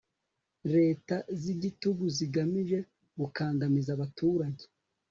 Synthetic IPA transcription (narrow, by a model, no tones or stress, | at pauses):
ɾe̞ːtaziɟituɡuziɡamiʒe̞ | ɡukaːŋdamizaβatuːɾaɟe̥